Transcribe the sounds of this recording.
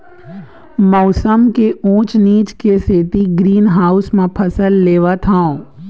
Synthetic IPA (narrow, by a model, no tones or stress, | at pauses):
mɔːsəmkeõːt͡ʃniːt͡ʃkeseːt̪iɡɾiːnɦaːʊsmẽpʰɐsəlːeːʋat̪ʰãõ